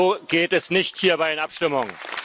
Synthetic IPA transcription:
oːɡ̥eːtɛsnɪçthiːɐbaɪɪnʔapʃtɪmʊŋ

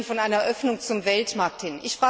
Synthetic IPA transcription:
nfɔnʔaɪnɐʔœfnʊŋt͡sʊmvɛltmaɐk̚thɪnʔɪçfʁ̥aː

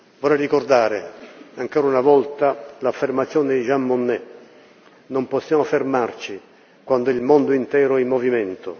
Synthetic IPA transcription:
vɔrɛjrikord̪aːɾɪaŋkɔːɾaunavɔlt̪alafːermat̪sjɔːnɪd̪iʒamːonːɛ | nomposːjaːmofermart͡ʃi | kwand̪ʊilmond̪ʊint̪ɛːɾʊɛimːɔvimɛnt̪ʊ

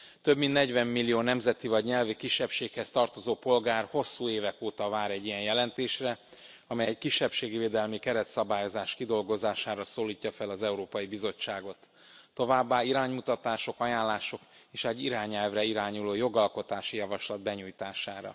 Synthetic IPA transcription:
t̪øbmint̪nɛɟvɛmːilːijoːnɛmzɛt̪ivɒɟɲɛlvikiʃːɛpʃeːkhɛst̪ɒrt̪o̞zoːpo̞lɡaːrho̞sːuːeːvɛkoːt̪ɒvaːɾɛɟːijɛnjɛlɛnt̪eːʃrɛ | ɒmɛjɛckiʃːɛpʃeːɡiveːd̪ɛlmikɛɾɛt̪sɒbaːjo̞zaːʃkid̪o̞lɡo̞zaːʃaːɾɒsoːliːcːɒfɛlɒzɛuɾoːpɒjibizo̞t͡ʃːaːɡo̞t̪ː | o̞vaːbːaːiɾaːɲmut̪ɒt̪aːʃo̞kɒjaːnlːaːʃo̞k | eːʃɛɟːiɾaːɲɛlvrɛiɾaːɲuloːjo̞ɡɒlko̞t̪aːʃijɒvɒʃlɒd̪̚bɛɲujt̪aːʃaːɾɒ̰

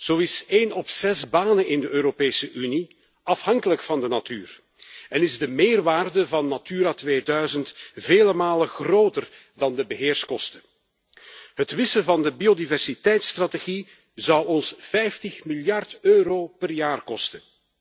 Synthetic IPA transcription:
z̥owɪseːnɔpsɛzbaːnənɪndəʔøːɾopeːsəʔyni | ɑfhɑŋkələkfɑndənatyːr | ɛnɪzdəmɪːrʋaːrdəvɑnːatyːɾatʋeːdœɥzəntveːləmaːləxroːtər | dɑndəbəɦɪːrskɔstə | ɦətʋɪsəvɑndəbiodivɛrsitɛjtstrateɣi | zɑwɔnsfɛjftəxmiljɑrtøːɾoːpərjaːrkɔstən

